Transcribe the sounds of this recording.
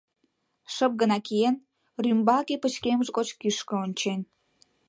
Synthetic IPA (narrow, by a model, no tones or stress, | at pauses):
ʃəp̚ɡənɑkijen | rymbɑkepət͡ɕkemʒɣot͡ɕkyʃkə̆onʲt͡ɕenʲ